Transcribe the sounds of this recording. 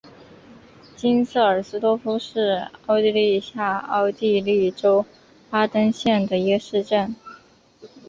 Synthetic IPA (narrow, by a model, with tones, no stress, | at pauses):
t͡ɕi˥ns̩˥˩ə˞˨˩sɹ̩˧˥t̪wɔ˥fu˥ʂɻ̩˥˩ɑ˥˧ʊt̪i˥˧li˥˧ɕja˥˩ɑ̰˥˧ʊt̪i˥˧li˥˩ʈ͡ʂo˥ʊ | pa˥t̪ə˥ŋɕjɛ˥˩nd̪ə˩i˧˥ɡə˧ʂɻ̩˥˧ʈ͡ʂə˥˩n